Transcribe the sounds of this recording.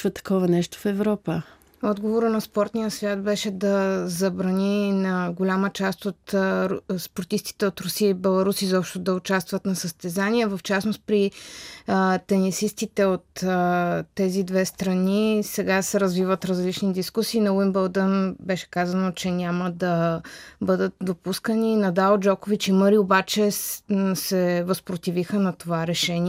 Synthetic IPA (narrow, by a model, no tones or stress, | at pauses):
vət̪ɐ̥kɔvɐnɛʃt̪o̥fɛvɾɔpə | ɔd̪ɡovoɾənɐspɔɾt̪nʲijəsvʲjat̪̚bɛʃɛd̪ɐzɐbɾɐninɐɡolʲamət͡ʃast̪ot̪ | spoɾt̪ist̪i̥t̪ɛot̪ɾʊsiəibɛlˠɐɾusizɔpʃt̪od̪ɐʊt͡ʃast̪vət̪nɐsəst̪ɛzaniɛvəft͡ʃasnost̪̚pɾi | t̪ɛnisist̪it̪ɛot̪ː | ɛzid̪vɛst̪ɾɐnisɛɡasɛɾəzvivət̪ɾɐzlit͡ʃnid̪iskusiːnɐlimbəlˠd̪ənbɛʃɛ̥kazənot͡ʃɛnʲaməd̪ɐbɤd̪ət̪̚d̪opuskəninɐd̪aod͡ʒɔkovit͡ʃiməɾiobat͡ʃɛ | sɛvɐspɾot̪ivixənɐt̪ovaɾɛʃɛniɛ